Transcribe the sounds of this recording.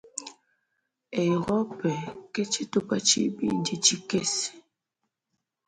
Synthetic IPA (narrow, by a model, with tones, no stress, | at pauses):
e˨ɣɔ˦pɛ˨ke˦t͡ʃi˦tu˦pa˦t͡ʃḭ˦bḭ˨nd͡ʒi˦t͡ʃi˦ke˦s